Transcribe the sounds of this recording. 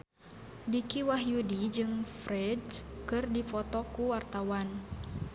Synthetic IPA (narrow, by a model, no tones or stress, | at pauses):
dikiwaɦjudid͡ʒɨŋfɾɛdskɨrdifɔt̪ɔkuwart̪awan